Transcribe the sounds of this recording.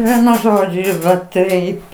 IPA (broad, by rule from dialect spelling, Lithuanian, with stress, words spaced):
ˈʋʲiɛnʊ ˈʒoːd͡ʒʲʊ ɪr ʋɐ ˈtɐɪp